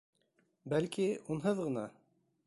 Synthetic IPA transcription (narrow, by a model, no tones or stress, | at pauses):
bælkiunɦɤðʁɤ̆nɑ